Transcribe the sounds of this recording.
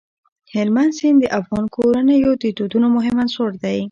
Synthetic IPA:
hɪlmansind̪əʔafɣɑnkʰoɾanəjot̪it̪ud̪unomʊɦɪmansoɾd̪aj

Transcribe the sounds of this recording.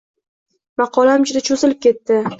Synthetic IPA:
mɑqʰɒlamd͡ʒʊd̪at͡ʃʰozɪlɪp̚kʲe̞t̪ːɪ

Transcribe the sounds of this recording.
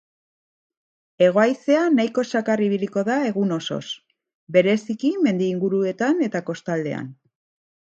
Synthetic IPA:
e̞ɣ̞o̞ajse̞anajko̞sakariβiliko̞ðae̞ɣuno̞so̞̰s | be̞ɾe̞sikime̞nd̪iːŋɡuɾue̞t̪ane̞t̪ako̞st̪ald̪e̞̰a̰n

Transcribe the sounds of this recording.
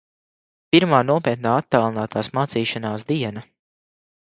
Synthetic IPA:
piɾmaːnuɔpʲiɛt̪naːat̪ːalˠinaːt̪aːsmaːt̪siːʃanaːsd̪iɛnɐ

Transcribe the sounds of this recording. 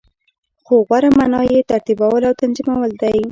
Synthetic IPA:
xoɣwaɾamanɑjet̪aɾt̪ibawəlawt̪anzimawəld̪aj

